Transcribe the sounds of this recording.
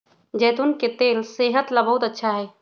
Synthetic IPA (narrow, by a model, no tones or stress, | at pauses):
d͡ʒɛːt̪unket̪eːlseːɦət̪labəɦʊt̪ətːʃʰaɦɛː